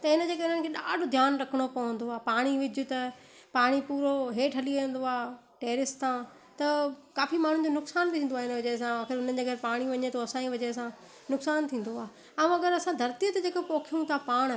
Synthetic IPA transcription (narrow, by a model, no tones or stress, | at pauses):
t̪ɐɪnə̆d͡ʑeːkɐɪnənɪ̆kʰeːɗaːɖʱod̪ʱjaːnɾɐkʰəɽ̃opɐʋə̃nd̪oaːpaːɽ̃iʋɪd͡ʑʱʊt̪ɐ | paːɽ̃ipuːɾoɦeːʈʰɦɐliẽn̆d̪oaː | ʈeːɾɪst̪ʰã | t̪ɐkaːfimaːɳ̤ũd͡ʑoːnʊksaːnbit̪ʰĩːnd̪oaːɪnəʋɐd͡ʑəs̬ãaːxɪɾʊn̤ə̆d͡ʑeːɡʱɐɾpaːɽ̃iʋɐɲet̪ʰoɐsãĩʋɐd͡ʑes̬ã | nʊksaːnt̪ʰĩːn̆d̪oaː | ɛũɐɡəɾɐsãd̪ʱɐɾt̪ijət̪d͡ʑeːkopoːkʰijũt̪ʰapãː